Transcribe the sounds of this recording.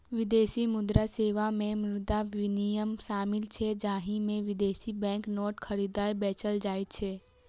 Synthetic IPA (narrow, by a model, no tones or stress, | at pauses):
ʋɪd̪eːsimʊd̪ɾaseːʋamẽmɾɾʊd̪aʋɪnijəmʃaːmɪlt͡ʃʰɛd͡ʒaːɦimẽʋɪd̪eːsibɛ̃ːŋknɔːʈkʰəɾid̪aːibɛːt͡ʃəld͡ʒaːit̪t͡ʃʰɛː